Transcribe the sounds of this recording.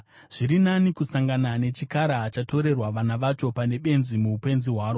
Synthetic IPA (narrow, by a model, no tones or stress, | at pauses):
ʐ̥iɾinanikusaŋɡanane̞t͡ʃikaɾaːt͡ʃato̞ɾe̞rwaʋanaʋat͡ʃo̞pane̞ɓe̞nzimuupe̞nziɦwaːɾo